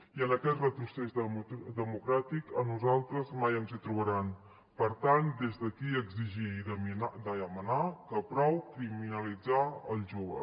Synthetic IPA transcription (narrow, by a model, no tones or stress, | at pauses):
iənəkɛt̪rət̪ɾusɛʒəd̪əmukɾat̪ikənuzalˠt̪ɾəzmajəmzit̪ɾuβəɾan | pəɾt̪and̪ezðəkiəɡziʒiid̪əminad̪əəmənakəpɾɔwkɾiminəlid͡zaəlˠʒoβə̰